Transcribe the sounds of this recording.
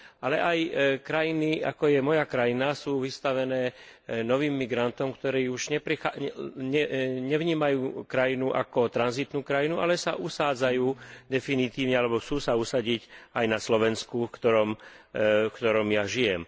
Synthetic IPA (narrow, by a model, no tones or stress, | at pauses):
alɛʔajkɾajinia̰kɔjɛmɔjakɾajinasuːʋist̪aʋɛnɛːnɔʋiːmːiɡɾant̪ɔmkt̪ɔɾiːuʒɲɛpɾixaɲɛɲɛʋɲiːmajuːkɾajinuʔakɔt̪ɾanzit̪nuːkɾajinuʔalɛsa̰ʔusaːd͡zajuːd̪ɛfinit̪iːʊɲɛalɛbɔt͡suːsausaɟicajnaslɔʋɛnskufkt̪ɔɾɔm | fkt̪ɔɾɔmjaʒijɛm